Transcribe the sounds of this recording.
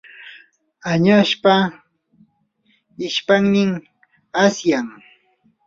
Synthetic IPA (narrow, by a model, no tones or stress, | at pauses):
aɲaʃpa | ɪʃpaŋnɪŋ | asjaŋ